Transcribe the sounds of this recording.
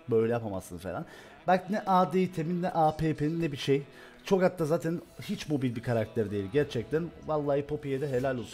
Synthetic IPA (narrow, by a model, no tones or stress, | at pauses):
bø̞jlʲɛjapama̰sɯnfelʲan | balʲcʰinɛʔaːd̪eit̪ʰeminːɛʔaːpʰeːpʰenːɛbiʃej | t͡ʃʰo̞kat̪ːazaːt̪ʰænhit͡ʃmo̞bilʲbikʰaɾak̚t̪ʰæɾd̪ejilʲɟæɾt͡ʃʰɛc̚t̪ʰænvalˠːaːjipʰo̞pijed̪ɛɦe̞lʲælʲolˠsu